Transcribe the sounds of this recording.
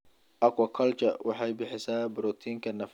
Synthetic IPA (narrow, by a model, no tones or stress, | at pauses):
ʔɐkwɐkʰɐlt͡ʃɐ̰wʔɑħɑjbɪħɪsaːbʊɾɔt̪ʰiːŋkʰɐnɐf